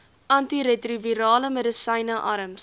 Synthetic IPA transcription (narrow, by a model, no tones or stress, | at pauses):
ʔɐntiɾɛtriviɾɑːləmɛdəsɐjnəʔɐɾəms